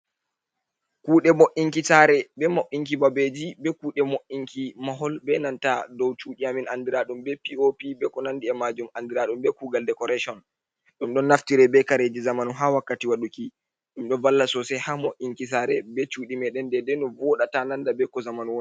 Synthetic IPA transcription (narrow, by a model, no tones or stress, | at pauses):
kuːɗɛmoʔiŋkisaɾɛbɛmoʔiŋk̬ibabed͡ʒibɛkuːɗɛmoʔiŋkimaɦɔlbɛnantadɔwt͡ʃuːɗiaminandiɾaɗumbɛpiopibɛkɔnandiɛmad͡ʒumandiɾaɗumbɛkuɡaldɛkɔɾɛʃɔn | ɗumɗɔnːaftiɾɛbɛkaɾed͡ʒizamanuɦawakːatiwaɗuki | ɗumɗɔvalːasɔsɛjhamoʔiŋkis̬aːɾɛbɛt͡ʃuɗimɛɗɛndɛdɛnɔvɔɗatanandabɛkɔzamanuwɔ